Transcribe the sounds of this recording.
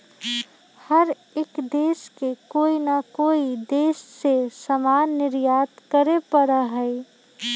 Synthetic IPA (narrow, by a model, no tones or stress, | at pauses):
həɾ | ekd̪eːskekoːinakoːid̪eːsːesəmaːnːɪɾjaːt̪kəɾepəɾaɦəi